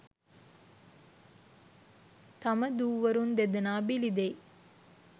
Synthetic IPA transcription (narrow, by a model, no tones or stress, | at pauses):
t̪ɐməd̪uːʋɐɾund̪ed̪ɐnaːbilid̪ej